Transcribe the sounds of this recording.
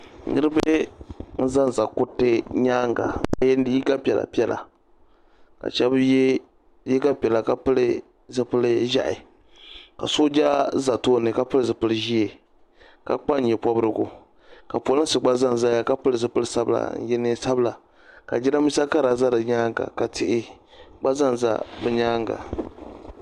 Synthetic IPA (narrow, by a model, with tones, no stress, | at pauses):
nɨ˦ɾɨ˦bɛ˦n̩˦za˦n˨za˨ku˦tːɨ˦ɲaː˦ŋɡa̰˨ka˨jɛ˦n˦dɨ˦ji˦ɡa˦pʲɛ˨la̰˨pi˦ɛ˨lʔa̰˨ | ka̰˨t͡ʃɛ˦b | ji˦ɡa˦pʲɛ˨la˨ka˨pɨ˦lɨ˦ | zɨ˨pɨ˦lɨ˦ʒa̰˦ʔɪ̰˨ | ka̰˨so˦d͡ʒa˦za˨toː˦nɨ˨ka˦pɨ˦lɨ˦˨zɨ˨pɨ˦lɨ˦ʒi˦e˨ | ka̰˨k͡pa˦n̩˦ɲɛ˨pɔ˦bɨ˦ɾɨ˦ɡʊ̰˨ | ka˨plɨ˦n̩sɨ˨ɡ͡ba˦za˦n˨za˦ja˦ka˦pɨ˦lɨ˨zɨ˨pɨ˦lɨ˦sa˦bɨ̰˦la̰˨n̩̰˦jɛ˦nɨ˦sa˦bla˨ | ka̰˨d͡ʒɛ˦ɾa˦mi˦sa˦ka˦ɾa˨za˦ɾɨ˨ɲaː˦ŋ˨ɡa̰˨ka˨tʰɪ˦ʔɪ˦ | ɡ͡ba˦za˦n˨za̰˦bɨ˦ɲaː˦ŋɡa̰˨